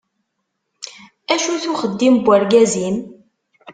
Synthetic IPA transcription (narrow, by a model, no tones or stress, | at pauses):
æʃuθuχəd̪ːimbʷːəɾɡæzin